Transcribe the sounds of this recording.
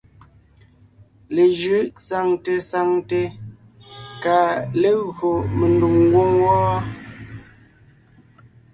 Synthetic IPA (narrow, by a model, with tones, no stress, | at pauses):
le˨ʒʉ˨˦ʔsa˨ŋte˨sa˨ŋte˨ | ka˨le˦ɣo˨me˨ndu˨ŋŋ˦ɡwo˦ŋwɔː˦